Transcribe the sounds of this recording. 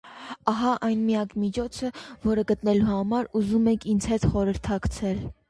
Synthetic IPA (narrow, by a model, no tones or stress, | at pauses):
ɑɦɑʔɑjnmijɑkmit͡ʃʰɔt͡sʰəvɔɾəɡət̪nɛluhɑmɑɾuzumɛŋkʰint͡sʰhɛt̪χɔɾəɾt̪ʰɑkt͡sʰɛl